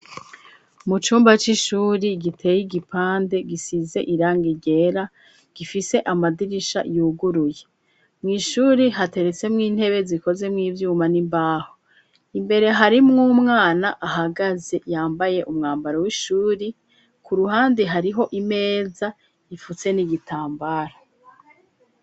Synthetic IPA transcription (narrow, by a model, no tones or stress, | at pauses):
mut͡ʃuːmbat͡ʃiʃuːɾiɡitʰejiɡipʰaːnde̞ɡisize̞̰ʔiɾaːŋɡiɟe̞ɾa | ɡ̥ifise̞ʔamadiɾiʃa̰juɡuɾuje̞ | mŋiːʃuːɾiɦate̞ɾet͡se̞mŋiːn̥he̞βe̞ziko̞ze̞mŋiːvjuːmanimbaːho | imbe̞ɾe̞ɦaɾimŋumŋaːnaʔaɦaɡaze̞jaːmbaje̞ʔumŋaːmbaɾowiʃuːɾi | kuɾuɦaːndiɦaɾiɦo̞ʔime̞ːza | ifut͡se̞niɡitʰaːmbaɾa